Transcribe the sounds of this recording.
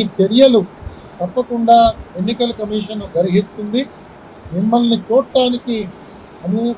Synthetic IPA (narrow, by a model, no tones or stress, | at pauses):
it͡ʃeɾijɐlu | t̪ɐpːɐkuɳɖaːenːikɐlkɐmiːʂɐnːuɡɐɾiɦist̪und̪i | mimːɐlnit͡ʃuːʈːaːniki | ɐni